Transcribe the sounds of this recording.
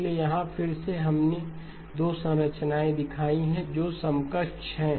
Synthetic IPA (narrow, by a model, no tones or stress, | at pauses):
lejɐɦãfʰɪɾseɦɐmne | d̪oːsə̃ɾət͡ʃnaːẽd̪ɪkʰaːiɦɛ̃d͡ʒoːsə̃mkət͡ʃɦɛ̃ː